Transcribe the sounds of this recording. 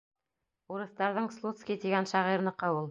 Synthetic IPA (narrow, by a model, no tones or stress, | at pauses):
uɾɤ̆θt̪ɑɾðɤɴslˠut̪skʲit̪iɡænʃɑʁiɾlˠɤ̆qɤulˠ